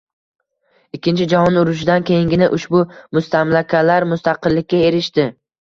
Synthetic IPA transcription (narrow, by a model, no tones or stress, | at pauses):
ɪkʲːɪnt͡ʃʰɪd͡ʒahɒnʊɾʊʃ̬ɪd̪ankʲʰe̞jɪŋɡʲɪnɪʔʊʃbʊmʊst̪ʰamlakʲʰalaɾmʊst̪ʰɑqɨlːɪkʲːae̞ɾɪʃt̪ɪ